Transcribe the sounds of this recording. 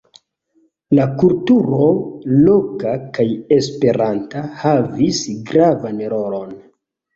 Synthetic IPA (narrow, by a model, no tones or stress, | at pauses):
lakultuɾo̞lokakaje̞spe̞ɾantahavisɡɾavanɾo̞lon